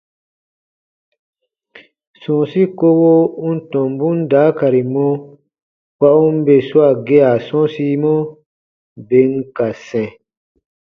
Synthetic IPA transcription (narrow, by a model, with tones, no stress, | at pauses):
sɔ̃˨si˦ko˧wo˦u˦n̩˦tɔ̃˨m˨bũ˦n̩˦daː˨˦ka˨ɾi˨mɔ̃˧ | k͡pa˧u˦m̩˦be˨su˦a˦˨ɡe˧˦a˨sɔ̃˦si˧˦mɔ̃˦ | be˨˦ŋ̩˦ka˨sɛ̃˨